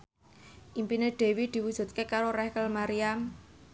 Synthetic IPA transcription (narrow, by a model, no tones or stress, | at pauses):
ʔimpineɖ̥e̤wid̪̥i̤wud̥ʒ̥ṳt̪̚kekaɾoɾɛhkəlmaɾiam